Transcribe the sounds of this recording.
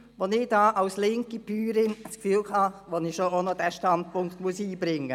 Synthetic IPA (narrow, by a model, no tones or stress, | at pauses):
ʋonɪd̥aːʔaʊslɪŋkib̥yːɾɪnskfyːlkʰɑʋonɪʃoonodɛʃtɑnd̚pʊŋktmuəsiːbɾɪŋːə